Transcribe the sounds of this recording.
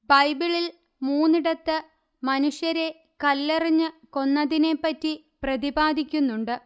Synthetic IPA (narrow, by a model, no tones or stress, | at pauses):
bɐjbiɭil | muːnːiɽɐt̪ːɨ | mɐnuʂjɐɾe̞ | kɐlːeriɲːɨko̞nːɐðine̞pːɐtːi | prɐðibaːd̪ʱikʲːunːuɳɖɨ